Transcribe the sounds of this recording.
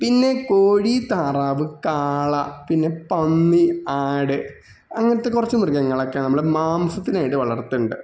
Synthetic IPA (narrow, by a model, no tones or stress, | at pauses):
pinːe̞koːɻit̪aːraːʋɨkaːɭɐpinːe̞pɐnːiaːɽɨ | ɐŋːɐnɐt̪ːekurɐt͡ɕːɨmurɡɐŋːɐɭɐkːeːnɐmːɐɭɽemaːmsɐt̪ːinaːjiʈːɨʋɐɭɐ̰rt̪ːuɳɖɨ